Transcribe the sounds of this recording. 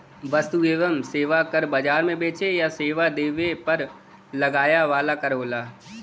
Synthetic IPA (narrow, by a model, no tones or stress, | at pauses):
ʋɐst̪ueːʋəmseːʋakɐɾbɐd͡ʒaːɾmẽbeːt͡ʃejaseːʋad̪eːʋepɐɾ | lɐɡaːjaʋaːlakɐɾɦoːlaː